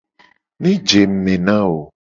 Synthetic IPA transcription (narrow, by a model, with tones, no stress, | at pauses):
nĩ˦d͡ʒe˨m̩˨mẽ˨nã˦wo˨